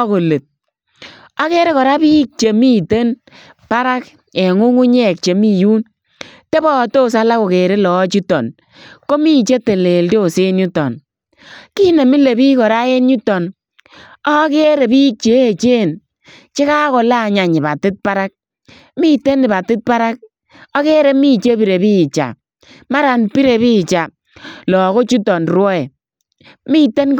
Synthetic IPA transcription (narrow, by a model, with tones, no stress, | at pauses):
ɔ˦ko˨le˨t̚ | a˦ke˦ɾe˦kɔ˨ɾa˦piː˦k̚t͡ʃe˨mi˦te˦n | pa˦ɾa˦k | ɛ˨ŋu˦ŋu˦ɲɛ˦˨k̚t͡ʃe˨mi˦ju˦n | te˦bɔ˦˨to˦˨s̬a˦la˦ko˨ke˨ɾe˦lɔ˨˦t͡ʃi˦tɔ̰˨n | ko˦mi˦t͡ʃe˦te˨le˨ldo˦˨se˦nɲu˦tːɔ̰˨n | ki˦ne˨mi˦le˨bi˦kɔ˨ɾa˦e˦nɲu˦tɔ˨n | ɔ˦ke˦ɾe˨bi˦t͡ʃe˨˦˨t͡ʃe˦˨n | t͡ʃe˦ka˦kɔ˨la˦˨ɲa˨ɲɪ˨ba˨tɪ˦t̚pa˦ɾa˦k̚ | mi˦te˦nɪ˨ba˨tɪ˦t̚pa˦ɾa˦k̚ | ɔ˦ke˦ɾe˨˦mi˦t͡ʃe˦pi˨ɾe˨biː˦˨t͡ʃa̰˨ | ma˦ɾa˨npi˦ɾe˨βi˦˨t͡ʃa˨ | lɔ˨ko˦t͡ʃu˦tɔ˨nrwɔ˦ɛ˨ | mi˦te˦n